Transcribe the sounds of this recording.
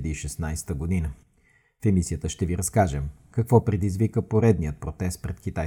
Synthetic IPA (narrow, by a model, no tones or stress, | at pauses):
d̪iːʃɛsnajsɛ̥t̪əɡod̪inə | fɛmisiət̪əʃt̪ɛviɾɐskaʒɛm | kɐkvɔpɾɛd̪izvikəpoɾɛd̪nijət̪̚pɾot̪ɛst̪̚pɾɛt̪kit̪aj